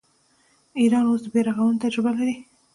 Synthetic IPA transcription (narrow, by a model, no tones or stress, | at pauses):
iɾɑnosd̪əbeɾaɣawənt̪ad͡ʒɾɪbalaɾi